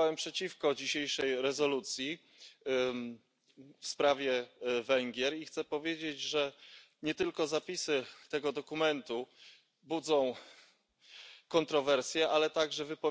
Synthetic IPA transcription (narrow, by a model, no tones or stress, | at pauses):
wɛmpʂɛt͡ɕifkɔd͡ʑiɕejʂɛjɾɛzɔlut̪sʲji | fspɾavʲjɛvɛŋɡʲjɛɾixt̪sɛpɔvʲjed͡ʑed͡ʑʐɛ | ɲɛt̪ɘlkɔzapʲisɘt̪ɛɡɔd̪ɔkumɛnt̪u | bud̪zɔ̃w̃ | kɔnt̪ɾɔvɛɾsʲjɛʔalɛt̪aɡʐɛvɘpɔ